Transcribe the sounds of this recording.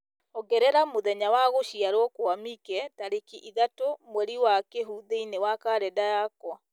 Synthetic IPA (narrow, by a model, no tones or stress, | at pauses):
oɡɛɾɛɾamoðɛɲawaɣoʃiaɾwɔkwamikɛtaɾekiʔiðatomwɛɾiwakeɦuðeinewakaɾɛdajakwa